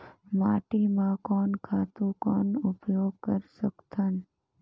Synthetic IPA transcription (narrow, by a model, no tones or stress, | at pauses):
maːʈimãkɔːnkʰaːt̪ũkɔːnʊpjoːɡkəɾsəkt̪ʰən